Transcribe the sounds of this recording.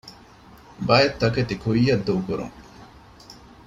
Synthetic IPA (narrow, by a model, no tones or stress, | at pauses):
baːjɐt̪ːɐket̪ikuijɐd̪ːukuɾṵŋ